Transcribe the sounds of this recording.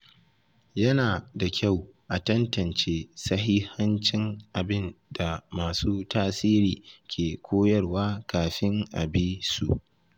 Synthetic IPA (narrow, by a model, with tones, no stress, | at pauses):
jɐ˦naː˨da˨kʲʰa˦˨wʔa˨tɐ˦ntɐ˨nt͡ʃeː˦sɐ˦ɦi˦hɐ˦nt͡ʃɪ˦ŋʔa˨bɪ˦nda˨maː˨suː˦taː˦siː˦ɾiː˨kʲʰeː˨kʷʰoː˦jɐ˦rwaː˦kaː˨ɸɪ˦ŋʔa̰˨biː˦sṵ˨ʔ